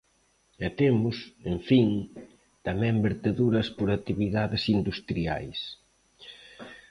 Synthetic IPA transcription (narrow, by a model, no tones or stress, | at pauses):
ɛt̪emʊseɱfiŋ | t̪amɛ̃mbeɾt̪eðuɾɐspoɾat̪iβiðaðɪsind̪ust̪ɾia̰js